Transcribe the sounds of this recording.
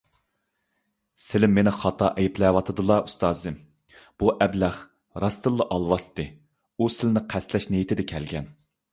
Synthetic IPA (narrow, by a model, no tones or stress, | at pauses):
sɪlɪmːenɪχɑt̪ʰɑʔɛjiplɛwɑt̪ʰɨd̪ɨlˠɑu̥st̪ɑːzɨm | b̥uʔɛblæχ | ɾɑst̪ɨlˠːɨʔɑlˠwɑst̪ɨ | usɪlnɪqʰæst̪lɛʃnejit̪ʰɪd̪ɛkʲʰɛlɡʲɛn